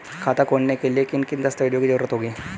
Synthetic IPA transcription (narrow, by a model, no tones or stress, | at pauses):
kʰat̪akoɳːekelekinkind̪ast̪aʋiɽijokid͡ʑəʋɾət̪ɦoɡiː